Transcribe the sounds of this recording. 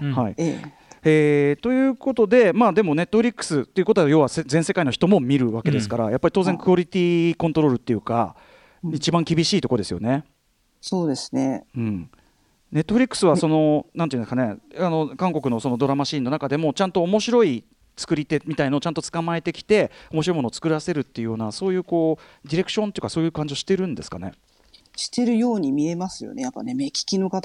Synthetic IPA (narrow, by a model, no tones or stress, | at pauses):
hai | eːt̪o̞jɯ̟ːko̞t̪o̞d̪e̞maːd̪e̞mo̞ne̞t̪ːo̞ɸɾʲikːɯ̟̥sɨt̪ːe̞iɯ̟kot̪ojo̞ːβasezẽse̞kainoçi̥t̪o̞mo̞mʲiɾɯ̟βake̞d̪e̞sɨ̥kaɾa̰japːaɾʲit̪o̞ːzeŋkɯo̞ɾʲit̪ʲiːkont̪o̞ɾo̞ːɾɯ̟t̪ːe̞jɯ̟ka̰ | it͡ɕibãŋkʲibʲiɕiːt̪o̞kod̪e̞sɨjo̞̰ne̞ | soːd̪e̞sɨ̥neɯ̟̃ɴ | ne̞t̪ːo̞ɸ̟ɾʲikːɯ̟̥sɨβaso̞no̞nãneĩ̟nskane̞ano̞kãŋko̞kɯ̟no̞so̞no̞d̪o̞ɾamaɕĩːnonakad̪e̞mo̞t͡ɕãnt̪o̞ːmo̞ɕiɾo̞i | t͡sɨ̥kɯ̟ɾʲit̪e̞mʲit̪ainoːt͡ɕãnt̪ot͡sɨ̥kamae̞t̪e̞kʲi̥t̪e̞omoɕiɾoimoot͡sɨ̥kɯ̟ɾase̞ɾɯ̟t̪ːe̞jɯ̟jo̞ːnaso̞ːjɯ̟ːko̞ːd̪ʲiɾe̞kɯ̟̥ɕont̪e̞iɯ̟kaso̞ːjɯ̟ːkãɲ̟d͡ʑio̞ɕi̥t̪e̞ɾɯ̟̃nd̪e̞sɨ̥kane̞̰ | ɕi̥t̪e̞ɾɯ̟jo̞ːɲ̟imʲie̞masɨjo̰nejapːa̰ne̞mekʲi̥kʲinokat̪